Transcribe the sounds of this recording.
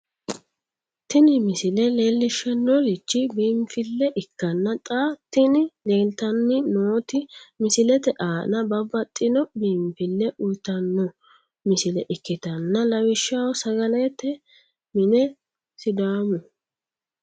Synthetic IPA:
t̪ɪnɪmɪsɪlɛle̞ːlːɪʃːɛnːɔlɪt͡ʃːɪbiːmfɪlːɛʔɪkːɐnːɐt̪ʼaːt̪ːɪnɪleːlt̪ɐnːɪnoːt̪ɪmɪsɪlɛt̪ɛʔaːnɐbɐbːɐt̪ʼːɪnɔbiːmfɪlːɛʔʊjt̪ɐnːɔ | mɪsɪlɛʔɪkːɪt̪ɐnːɐlɐwɪʃːawɔsɐɡɐlɛt̪ːɛ | mɪnɛ | sɪd̪aːmʊ

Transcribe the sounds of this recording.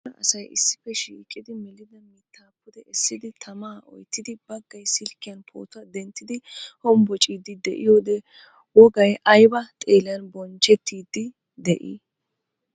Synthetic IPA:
ɐɐsɐjɪ̰sːɪ̥fɛʃiːkʼːɪd̪ɪmɛlɪd̪ɐmiːt̪ʰːaːpːʊd̪ɛʔɛsːɪd̪ɪt̪ʰɐmaːʔɔ̰jt̪ːɪd̪ɪbɐɡːɐjsɪlkːɪjɐnpʰo̰ːt̪ʊɐd̪ɛnt̪ːɪd̪ɪhɔmbɔt͡ʃʼiːd̪ɪd̪ɛʔɪjoːd̪ɛ | wɔɡɐjʔɐjbɐt̪ʼeːlɪjɐnbɔnt͡ʃːɛt̪ːiːd̪ːɪ | d̪ɛʔḭː

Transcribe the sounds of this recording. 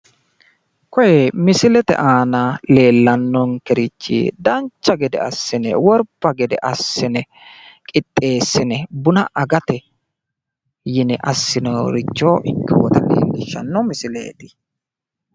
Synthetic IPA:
kɔjɛmɪsɪlɛt̪ɛ̰ʔaːnɐle̞ːlːɐnːɔŋkɛɾɪt͡ʃːḭd̪ɐnt͡ʃːɐɡɛd̪ɛ̰ɐsːɪnɛ̰wɔɾbːɐɡɛd̪ɛʔɐsːɪnɛ | kʼɪt̪ʼːe̞ːsːɪnɛbʊnɐʔɐɡɐt̪ɛ | jɪnɛʔɐsːɪnoɾɪt͡ʃːoːʔɪkːɪwɔt̪ɐlḭːlːɪʃːɐ̰nːɔmɪsɪlḛːt̪ɪ̥

